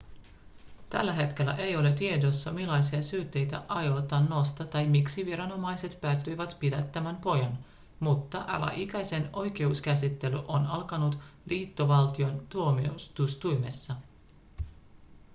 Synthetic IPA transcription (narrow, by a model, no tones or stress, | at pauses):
t̪æ̰lːæɦe̞t̪k̟e̞lːæ̰ʔe̞jo̞let̪ie̞do̞sːɑmilːɑjsiɑsyːt̪ːe̞jt̪æ̰ʔɑjo̞t̪ɑnːo̞st̪ɑt̪ɑjmiksiʋiɾɑno̞mɑjse̞t̪pæːt̪ːyjʋæt̪pidæt̪ːæmænpo̞jɑn | mut̪ːɑʔɑ̰læ̰ʔik̟æjse̞no̞jke̞uskæsit̪ːe̞lyʔo̞nɑlkɑnut̪liːt̪ːoʋɑlt̪io̞nt̪uomiust̪ust̪ujme̞sːɑ